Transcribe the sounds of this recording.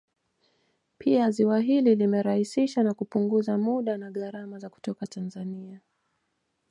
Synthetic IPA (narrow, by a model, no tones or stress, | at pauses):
pʰiaziwaɦililimɛɾahisiʃanakupuŋɡuzamuɗanaɠaɾamazaku̥tɔkatanzania